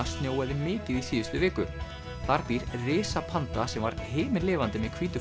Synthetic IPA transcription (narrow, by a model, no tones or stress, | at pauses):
ast̪njoːwɛðɪmɪːcɪðiθiːjʏst̪ʏvɪːkʏ | θaɾp̪iɾrɪːsapʰant̪asɛmvaɾ̥ɦeːmɪɾlɪːvant̪ɪmɛðkʰv̥iːt̪ʏ